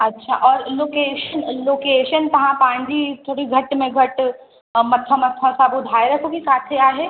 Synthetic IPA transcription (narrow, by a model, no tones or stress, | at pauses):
ɐtːʃʰa̰ʔɔːɾloːkeːʃənloːkeːʃənt̪ɐɦãpãːɲd͡ʒit̪ʰoːɽiɡʱɐʈmẽɡʱɐʈ | mɐt̪ʰːamɐt̪ʰːasaːbʊd̪ʱaːjɾɐkʰokisaːt̪ʰeaːɦɛː